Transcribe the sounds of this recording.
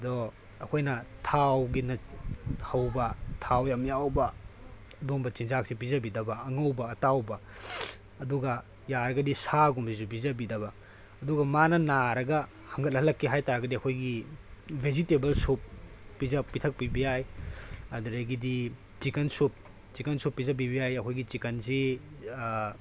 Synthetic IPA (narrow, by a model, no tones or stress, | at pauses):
dɔ | ɐkʰojnɐtʰawɡinɐhɐwbɐtʰawjamjawbɐ | ɐdoŋbɐt͡ʃinzak̚sibizɐbidɐbɐɐŋɐwbɐːtawbɐː | duɡɐ | jaɾɐɡɐdisaɡumsizubizɐbidɐbɐː | duɡɐmanɐnaɾɐɡɐ | hɐŋɡɐt̚hɐlːɐkʰːiɦajtaɾɐɡɐdiɐkʰojɡibʱezitebɐlsupː | izɐpːitʰɐk̚pibijajɐdɐɾɐɡidi | t͡ʃikɐnsup̚ | t͡ʃikɐnsupːizɐbibijajɐkʰojɡit͡ʃikɐnsi